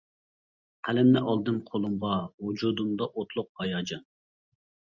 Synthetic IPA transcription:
qʰælɪmnɪʔɑlˠd̪ɨnqʰolˠumʁɑwud͡ʒud̪umd̪ɑʔot̪ʰlˠʊq̚hɑjɑːd͡ʒɑn

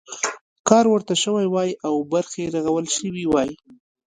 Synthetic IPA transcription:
kɑɾwəɾt̪aʃəwajwɑjʔawbaɾxeɾaɣawəlʃəwiwɑji

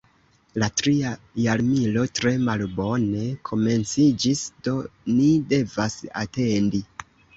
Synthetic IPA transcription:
latɾiajaɾmilo̞tɾe̞malbo̞ne̞kʰo̞me̞nt͡sid͡ʒisd̥o̞nide̞vasa̰te̞ndi

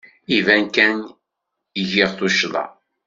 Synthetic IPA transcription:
ivænkæn | jəʝiʁθuʃlˤɑ̰

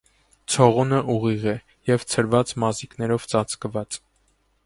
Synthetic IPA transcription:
t͡sʰɔʁunəʔuʁiʁɛ | jɛvt͡sʰəɾvɑt͡smɑziknɛɾɔvt͡sɑt͡skəvɑt͡s

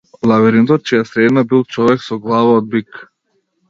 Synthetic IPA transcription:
lˠavɛɾint̪ɔt̪̚t͡ʃijasɾɛd̪nabilˠt͡ʃɔvɛksɔɡlˠavaɔd̪̚bik

